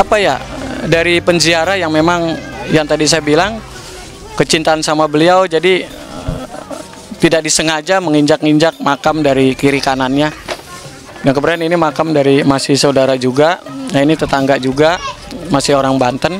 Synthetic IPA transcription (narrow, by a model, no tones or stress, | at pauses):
apajadaɾipənd͡ʒiaɾajaŋmemaŋjaŋt̪adis̬ajabilaŋ | kət͡ʃint̪aːnsamabəliawd͡ʒadi | t̪idak̚disəŋad͡ʒaməŋiɲd͡ʒak̚ŋiɲd͡ʒak̚makamdaɾikiɾikananɲa | daŋkəbəɾaninimakamdaɾimasɪhsəudaɾad͡ʒuɡanainit̪ət̪aŋɡad͡ʒuɡa | masɪɦoɾaŋbant̪ən